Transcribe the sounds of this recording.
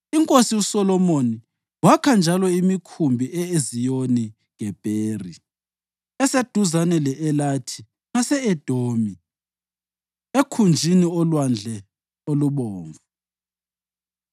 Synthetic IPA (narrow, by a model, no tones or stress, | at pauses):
iŋkʼosiusɔlɔmoni | wakʰand͡ʒʱalɔimikʰumbʱiʔɛezijoni | ŋɛb̥ʱeːri | ɛsed̥ʱuzanɛlɛʔɛlatʰi̥ | ŋasɛɛd̥ʱoːmi | ekʰund͡ʒʱiniɔlwand͡ɮʱɛ | oluβɔːɱvu